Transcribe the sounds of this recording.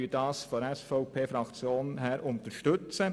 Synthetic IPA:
yːdɑːsfɔɛsfɔʊpʰeːfɾɑkt͡sjoːnɦæːɾʊnt̪əɾʃtɵt͡sə

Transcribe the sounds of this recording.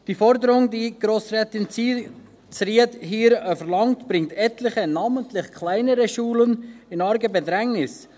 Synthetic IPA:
d̥iːfɔɾdəɾʊŋdiːɡ̥ɾoːsɾɛːtɪnt͡si | t͡sɾiətɦiːɾəfɛɾlɑŋtb̥ɾɪŋtɛtlɪχənɑːməntlɪχkʰlaɪnəɾəʃuːlənɪnɑɾɡəbɛdɾɛŋnɪs

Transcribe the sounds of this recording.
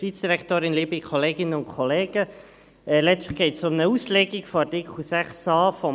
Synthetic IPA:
viːt͡sd̥iɾɛktoːɾɪnlibikʰɔleːɡɪnəʊnkʰχɔleːɡ̥ə | ɛlɛt͡stə̥χɡ̥ɛɪtsʊmnəuːsleɡikfɔɑtɪkχusæχsɑːfɔ

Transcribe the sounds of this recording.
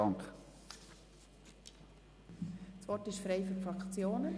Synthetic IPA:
ɑŋk | sʋɔrtɪʃfɾeɪfyɾfɾɑkt͡sjoːnə

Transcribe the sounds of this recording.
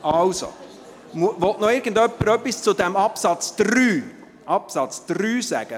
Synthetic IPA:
ɑlso̰ | muʋɔtnɔɪɾɡ̥ən̩dœpːəɾœpːist͡sʊdɛmɑpsɑt͡sd̪̥ɾyː | ʔɑpsɑt͡sd̪̥ryːsæ̰ɡ̥ə

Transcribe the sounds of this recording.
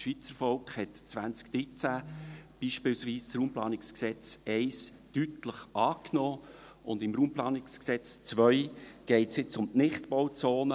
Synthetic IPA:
ʃʋiːt͡səɾfɔlkχhɛtt͡svænt͡skd̥ɾit͡sæb̥iːʃpɪːlsʋiːst͡sɾuːmplɑ̰ːnɪksksɛt͡sɛɪs | tytləχʔɑːknɔː | ʔʊ̰nd̪ɪmɾuːmplɑːnɪksksɛt͡st͡svœʏɡ̥ɛɪtsjɪt͡sʊmtnɪχtbɔwt͡soːnə

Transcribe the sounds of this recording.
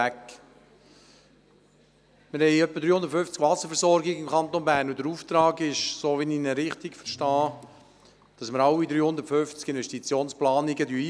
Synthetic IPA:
æk | mɪɾhɛɪœpːədɾyːhʊnd̪ətføft͡skvɑsːəɾfəɾsɔɾɡɪɡəɪmkʰɑnt̪onbæːɾnʊd̪əɾuft̪ɾɑːɡɪʃsoːʋininəɾɪχt̪ikfəɾʃtɑː | d̥ɑsməɾɑwid̪ɾyːhʊnd̪ətføft͡skɪnvɛʃtit͡sjoːnsplɑːniɡədyːi

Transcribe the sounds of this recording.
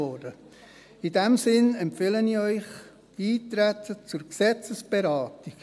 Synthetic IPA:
ɔdə | idɛmsɪnɛmpfɪləniœʏχ | iːt̪ɾæt̪ʰət͡sʊɾksɛt͡səsb̥eɾɑːtiɡ̥

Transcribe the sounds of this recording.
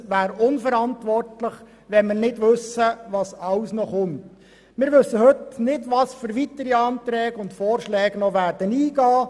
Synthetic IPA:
ʋæːɾʊnfəɾɑntʋɔrtlɪχ | ʋɛnmɪːrnɪdʋɵsəʋɑsɑwsnɔχʊnt | mɪːɾʋɵsːəhɵtnɪdʋɑsfʏɾʋitəɾiɑnt̪ɾɛːɡʊntfɔːrʃlɛːɡnɔʋæːɾd̥əniːɡɑː

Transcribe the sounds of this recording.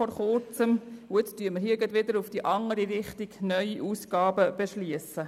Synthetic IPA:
ɔɾχʊɾt͡səmʊɪt͡styːməɾhiːɡətʋɪd̪əɾufd̥iʔɑŋəɾiɾɪχtiɡ̥nœʏiʔuːsɡ̥ɑːbəb̥eʃliəsə

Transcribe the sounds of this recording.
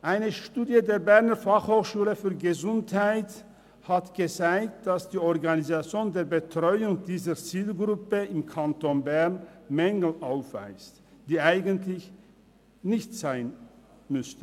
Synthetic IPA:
ʔaɪnəʃtuːdjədeːɐbɛʁnəfaχhoːxʃuːləfyːɐɡəzʊnthaɪt | hatɡ̥ət͡saɪkt̚d̥asd̥iːɔʁɡanizat͡sjoːndeːɐbətʁ̥ɔʏʊŋdiːzət͡siːlɡʁʊpəɪmkʰantonbɛʁnmɛŋɡl̩ʔaʊfv̥a̰ɪst | d̥iːʔaɪɡəntlɪç | nɪçtz̥aɪn | mʏstə

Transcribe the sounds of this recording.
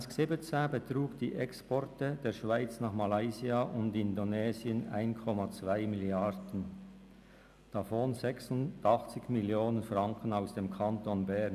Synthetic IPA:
sksebet͡sabətʁuːkd̥ḭːʔɛkspɔrtəd̥eːɐʃv̥aɪt͡snaːχmalaɪziaʔʊndɪndonɛːziəna̰ɪnkʰɔmat͡sv̥aɪmɪljaɾd̥ən̩ | d̥afoːnzɛksʊndɑχt͡sɪçmɪljoːnənfrɑŋkʰənaʊsd̥eːmkʰantonbɛʁn

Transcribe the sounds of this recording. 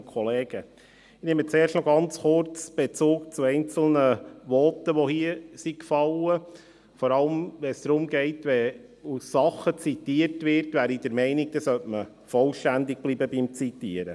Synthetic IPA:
kʰɔleːɡə | ɪneːmət͡seːrʃtnɔɡɑnt͡sχʊɾt͡sb̥et͡suːk̚t͡suɛɪnt͡sl̩nəʋɔtəʋɔhiəsikfɑlə | fɔɾɑlmʋɛsd̥̪ɾʊmɡɛɪtʋɛ | usːɑχːət͡sitiːəɾtʋɪɾtʋæːɾidəɾmɛɪnɪɡ̚d̥ɑsœtmə | fɔlʃtændɪɡ̚b̥liːbəbimt͡sit̪iəɾə̰

